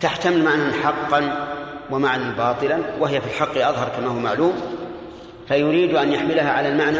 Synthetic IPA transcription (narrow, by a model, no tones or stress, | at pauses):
t̪aħt̪amɪlmaʕnanħɑqːɑnwamaʕnanbɑːt̪ˤɨlanwɪɦɪjafilħɑqːʔɑðˤɦɑɾˤkamaːhʊwamaʕluːm | fajʊɾiːd̪ʔanjaħmɪlaɦaʕalalmaʕna